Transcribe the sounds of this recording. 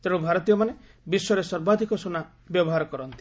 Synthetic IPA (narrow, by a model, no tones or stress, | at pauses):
t̪eɽubʱaɾɔt̪ijɔmane | bisːɔɾesɔɾbad̪ʱikɔsona | bjɔbɔɦaɾɔkɔɾɔnt̪i